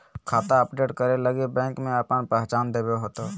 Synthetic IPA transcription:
kʰaːt̪aəpɖeːʈkəɾeləɡebɛ̃ːŋkmẽəpənpɛɦt͡ʃaːnd̪eːbeɦot̪o

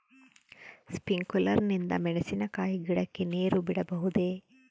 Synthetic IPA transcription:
spiŋkulɐɾnind̪ɐ̰mɛɳesinɐkaːjiɡiɽɐkːeneːɾubiɽɐbɐɦud̪e̞

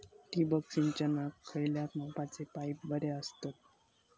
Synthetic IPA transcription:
t̪ibəksint͡ɕanakʰəjljat̪mãpat͡sepajp̚bəɾeəst̪at̪̚

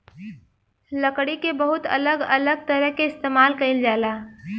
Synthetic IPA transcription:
ləkɽikebɐɦʊt̪ɐ̰ləɡɐləɡ̚t̪ɐɾəɦkeɪst̪eːmaːlkɐɪld͡ʒaːlaː

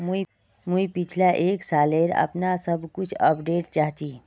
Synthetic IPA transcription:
m | muipɪt͡ʃʰlaʔeːksaːleɾə̰pnasəbʱkʊt͡ʃʰəpɖeːʈt͡ʃaːɦt̪i

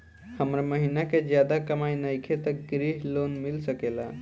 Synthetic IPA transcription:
həmɾaməɦinaked͡ʑjad̪akəmajnəjkʰet̪əkɡɾiɦlonmilsəkela

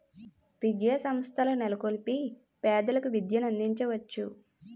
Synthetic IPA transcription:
ʋid͡ʒjasɐmst̪ʰɐlɐnelɐkolipi | pɛːd̪ɐlɐkuʋid̪jɐnɐnd̪iɲt͡ʃɐʋɐt͡ʃːu

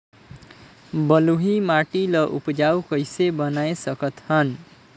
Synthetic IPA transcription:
bʌluɦimaʈilʌʔupd͡ʒawkʌjsebʌnajsʌkʌt̪hʌn

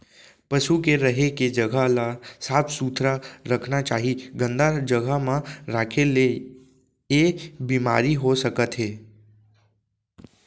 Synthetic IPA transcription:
pəʃukeɾəɦeked͡ʒəɡʱalasaːpʰsuːt̪ʰɾaɾəkʰnat͡ʃaːɦiɡə̃nd̪ad͡ʒəɡʱamãɾaːkʰele | ebiːmaːɾiɦosəkət̪ɦeː

